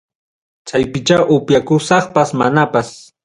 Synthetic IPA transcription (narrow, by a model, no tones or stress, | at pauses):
t͡ʃajpɪt͡ʃaʔʊpjakʊsɑχpasmanapas